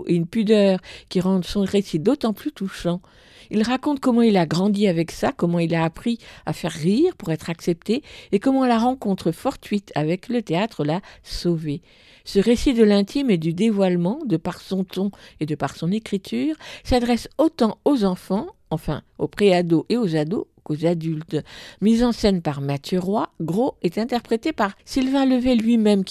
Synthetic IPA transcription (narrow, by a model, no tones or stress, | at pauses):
eynpyd̪œːʁkʲiʁɑ̃d̪sɔ̃ʁesid̪ot̪ɑ̃plyt̪uʃɑ̃ | ilʁakɔ̃t̪̚kɔmɑ̃ilaɡʁɑ̃d̪iavɛksakɔmɑ̃ilaːpχia̰fɛʁːiʁpuʁɛt̪χaksɛp̚t̪eekɔmɑ̃laʁɑ̃kɔ̃t̪χəfɔʁt̪ɥit̪ʰavɛklət̪eat̪χəlasove | səʁesid̪əlɛ̃t̪ʰimed̪yd̪evwalmɑ̃d̪əpaʁsɔ̃t̪ɔ̃ed̪əpaʁsɔ̃nekχit̪ʰyːʁsad̪ʁɛsot̪ɑ̃ozɑ̃fɑ̃ | ɑ̃fɛ̰̃ | opχead̪oʔeozad̪o | kozad̪ylt̪mizɑ̃sɛnpaʁmat̪jøʁwaɡʁoɛt̪ɛ̃t̪ɛʁpχet̪epaʁsilvɛ̃ləvɛlɥimɛm